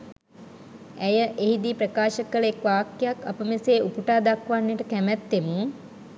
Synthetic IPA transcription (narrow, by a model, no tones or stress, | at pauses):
æjəʔeɦid̪iːpɾəkaːʃəkələekʋaːkːejaka̰pəmeseːʔupuʈaːd̪akʋanːjeʈəkæmɛt̪ːemu